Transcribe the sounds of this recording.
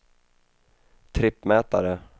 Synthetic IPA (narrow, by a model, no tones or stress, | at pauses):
t̪ʰɾɪpːmɛːt̪a̰ɾə